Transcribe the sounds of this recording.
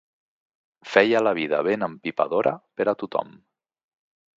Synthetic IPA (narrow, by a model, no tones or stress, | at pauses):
fɛjalaβ̞iðə̰βenəmpipa̰ðoɾʔa̰pəɾat̪ut̪ɔ̰m